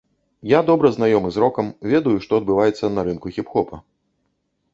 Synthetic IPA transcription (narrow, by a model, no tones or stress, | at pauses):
jad̪ɔbɾɐznajɔmɨzɾɔkɐmvʲɛd̪ɐjuʂt̪ɔɐd̪̚bɨvajɛt̪sːɐnɐɾɨnkuxʲipxɔpɐ̰